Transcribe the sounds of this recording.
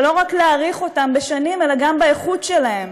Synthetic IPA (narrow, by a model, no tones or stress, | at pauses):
lo̞ʁakleaʁiχo̞tambeʃanime̞laɡambeeχutʃe̞lahe̞m